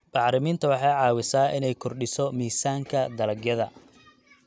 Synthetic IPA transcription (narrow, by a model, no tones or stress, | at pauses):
b̥ɑħɾɪmiːnt̪ʰɐwɑħɑjʕɑːwɪsaːʔɪnɛjkʰɔrɖɪsɔmiːsaːŋkʰɐd̪ɐlɐɡjɐðɐ